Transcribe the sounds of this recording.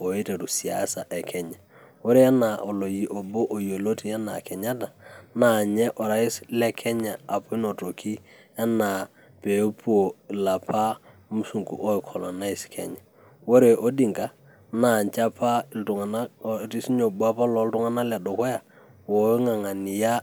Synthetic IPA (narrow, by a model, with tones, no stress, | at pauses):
o˨e˦te˨tu˨si˨a̰˦sa˨ʔɛ˨kʰɛ˦ɲa˨ | wo˦ɾe˦ja˦na˨ʔo˨lo˨ji˨ʔo˨bo˦ʔo˨jo˨lo˦ti˨ja˦na̰˨kɛ˨ɲa˦ta˨na˨ɲɛ˦ʔɔ˨ɾa˦ɪ˦slɛ˦kʰɛ˦ɲa˨a˨pʊ˦ɪ˦no˨to˨kʰi˦ja˦na˨ | pe˨˦pu˦o˨la˨pʰa˦mu˦su˨ŋkṵ˨ʔo˦i˨kʰɔ˨lɔ˨na˦ɪ˦skʰɛ̰˨ɲa˨ | wo˦ɾe˨ʔo˦di˨ŋka˨ | na˨ɲt͡ʃa˦pʰa˦˨tʊ˨ŋa˨na˦˨ti˦si˦ɲo˨bu˦a˦pa˦lɔ˨ltʊ˦ŋa˦na˦lɛ˨dɔ˨kɔ˦ja˨ | wo˨˦ŋa˨ŋa˨nɪ˨ja˦